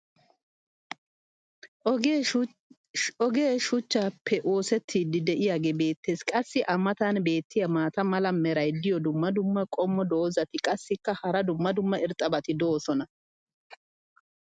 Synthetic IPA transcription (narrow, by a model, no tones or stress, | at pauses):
ɔɡeːʃʊt͡ʃːaːpʰːɛʔo̞ːsɛt̪ʰːiːd̪ɪd̪ɛʔɪjaːɡeːbe̞ːt̪ːeːskʼɐsːɪʔɐmːɐt̪anbe̞ːt̪ːɪjɐmaːt̪ɐmɐlɐmɛɾɐjd̪ɪjɔd̪ʊmːɐd̪ʊmːɐkʼɔmːɔd̪oːzɐt̪ɪkʼɐsːɪkːɐhɐɾɐd̪ʊmːɐd̪ʊmːɐɪɾt̪ʼːɐbɐt̪ɪd̪oːsɔnɐ